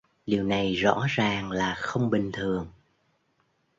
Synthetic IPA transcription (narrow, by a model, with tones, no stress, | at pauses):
ɗi˨˩əwna˨˩jzɔ̰˧˥zaː˨˩ŋlaː˨˩xə˧wŋ͡mɓï˨˩ŋ̟t̪ʰɨ˨˩əŋ